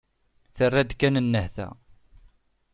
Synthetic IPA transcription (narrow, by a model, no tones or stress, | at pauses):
θərːæd̪kːænənːəhθæ̰